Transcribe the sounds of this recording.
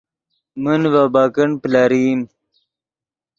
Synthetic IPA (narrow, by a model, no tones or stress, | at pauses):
mənvabaːkəɳplaɾiːm